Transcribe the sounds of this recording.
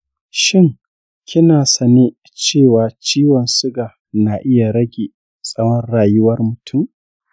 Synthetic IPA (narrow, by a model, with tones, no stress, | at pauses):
ʃɪ˦ŋ | kʲʰɪ˦naː˨sɐ˨neː˦ | t͡ʃeː˦˨waː˨t͡ʃiː˦wɔ˨nsʊ˦ɡa˨ | na˨ʔɪ˦ja˨ɾɐ˦ɡʲeː˨ | sʼɐ˦wɐ˦nɽaː˨jʊ˦wɐ˦rmʊ˨tʰʊ˦˨m